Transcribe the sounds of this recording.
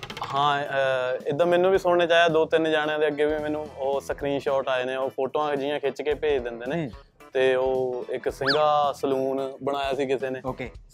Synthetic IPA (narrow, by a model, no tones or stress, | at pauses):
hãː | ed̪ãːmɛːnũːʋiːsoːɽ̃eːt͡ʃaːijaːd̪oːt̪ɪnd͡ʒaːɽ̃eãːd̪eːəɡːeːʋiːmɛːnũːoːsəkʰɾiːnʃɔːʈaːeːneːoːpʰoːʈoːãːkd͡ʒɪjãːkʰet͡ʃkeːpeːd͡ʒd̪ɪ̃nd̪eːneː | t̪eːoːɪksɪŋɡaːsəluːnbəɽ̃aːjaːsiːkɪseːneːoːkeː